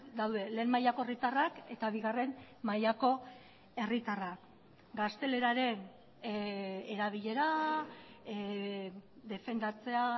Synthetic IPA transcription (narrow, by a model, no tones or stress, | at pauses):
d̪awðe̞le̞ːmajako̞e̞rit̪arake̞t̪aβ̞iɣare̞n | majako̞ | e̞rit̪arak | ɡast̪e̞le̞ɾaɾe̞n | eɾaβ̞iʎe̞ɾa | d̪e̞fe̞nd̪at͡se̞a